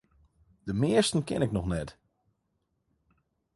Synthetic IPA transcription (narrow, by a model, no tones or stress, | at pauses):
d̥əmɪəstən̩kɛ̰nɪknɔxnɛt